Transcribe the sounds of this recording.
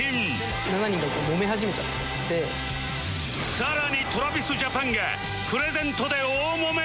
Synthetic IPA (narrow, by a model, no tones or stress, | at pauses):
im | nanaɲiŋɡaitomomeɦad͡ʑimet͡ɕ͈aa | ne | saɾaɲit̪oɾabisud͡ʑapʰaŋɡḛ | pʰɯɾezent̪ʰod̪eo | mome